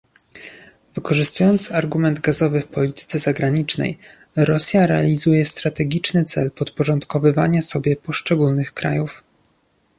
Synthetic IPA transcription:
vɘkɔʐɘst̪ujɔnt̪saɾɡumɛnd̪ɡazɔvɘfpɔlʲit̪ɘ̥t̪sɛzaɡɾaɲit͡ʂnɛ̰j | ɾɔsʲjaɾɛa̰lʲizujɛst̪ɾat̪ɛɡʲit͡ʂnɘt̪sɛ̰lpɔt̪pɔʐɔnt̪kɔvɘva̰ɲasɔbʲjɛpɔʂt͡ʂɛɡulnɘxkɾa̰juf

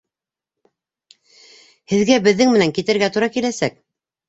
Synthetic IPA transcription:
hɘ̆ðɡæbɘ̆ðːɘŋmɘ̆næŋkit̪ɘ̆ɾɡæt̪uɾɑkilæsæk̚

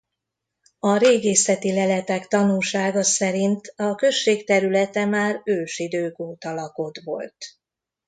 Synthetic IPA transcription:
ɒɾeːɡeːsɛt̪ilɛlɛt̪ɛkt̪ɒnulʃaːɡɒsɛɾint̪ɒkø̞ʃːeːkt̪ɛɾylɛt̪ɛmaːrøːʃid̪øːkoːt̪ɒlɒko̞t̪ʋo̞̰lt̪

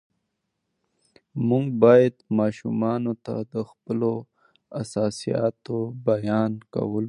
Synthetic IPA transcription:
muŋɡbɑjad̪mɑːʃumɑnot̪a̰d̪əxpəlo | asɑsijɑ̰t̪obajɑnka̰wəl

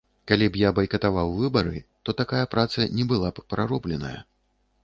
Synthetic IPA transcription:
kalʲibjabɐjkɐt̪avawvɨbɐɾɨt̪ɔt̪akajɐpɾat̪sɐnʲɛbɨlˠappɾaɾɔblʲɛnɐ̰jɐ̰

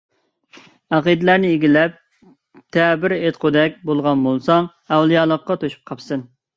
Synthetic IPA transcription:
ɑqid̪ɪlæɾnɪeɡʲilɛp̚ | t̪ʰɛːbɪɾet̪̚qʰod̪ɛk̚ʲbolˠʁɑnbolˠsɑŋ | ɛwlˠijɑːlˠəqːɑt̪ʰoʃu̥p̚qʰɑpsɨn

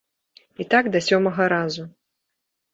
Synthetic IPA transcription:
it̪aɡd̪ɐsʲɔmɐɣɐɾazu

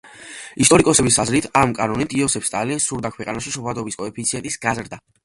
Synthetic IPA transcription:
ist̪ʼɔɾikʼɔsɛbisazɾit̪ʰamkʼanɔnit̪ʰʼiɔsɛfst̪ʼalinsuɾd̪akʰwɛqʼa̰naʃiʃɔpʰad̪ɔbiskʼɔɛpʰit̪siɛnt̪ʼisɡazɾd̪a

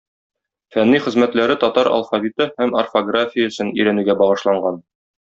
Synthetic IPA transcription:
fænːijχɘ̆zmæt̪læɾɘt̪ɒt̪ɑɾɐ̰lˠfavʲit̪ɤhæmɐ̰rfoɡrafʲɪjəɵ̆sɤnɵ̰̆jɾænʉɡæbɒʁɤ̆ʃlˠɑɴɢɑn

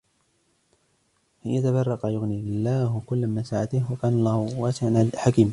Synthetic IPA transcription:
ʔɪjat̪abɑrˤːɑqajʊɣniɪlːaːhkʊlːmasaʕat̪ɪhwakaːnalˤːɑːhʊwaːsɪʕanaħakiːm

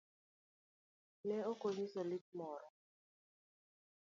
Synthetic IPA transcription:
lɛokoɲisɔlit̚mɔɾɔ

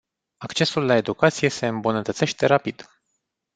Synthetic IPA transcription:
akt͡ʃe̞sulːae̞d̪ukat̪sije̞se̞ɨmbunət̪ət̪se̞ʃt̪e̞ɾapid̪̥

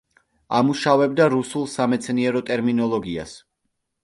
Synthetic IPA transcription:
amuʃavɛb̚d̪aɾusulˠsamɛt̪sʰniɛɾɔt̪ʼɛɾminɔlˠɔɡia̰s

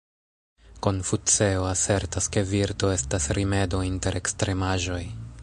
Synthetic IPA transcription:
ko̞nfut͡se̞oase̞ɾtaske̞viɾto̞e̞stasɾʔime̞do̞inte̞ɾʔe̞kstɾe̞maʒo̞j

